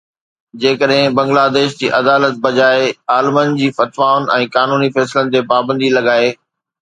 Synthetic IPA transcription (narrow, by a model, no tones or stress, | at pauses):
d͡ʑeːkəɗɦɪ̃bɐ̃ŋɡlaːd̪eːʃd͡ʑḭːʔɐd̪aːlət̪̚bɐd͡ʑaːeaːlmənd͡ʑiːfɐt̪ʋaːʊnɛ̃ːkaːnuːnifɛːslənɪ̆t̪epaːbə̃nd̪ilɐɡaːeː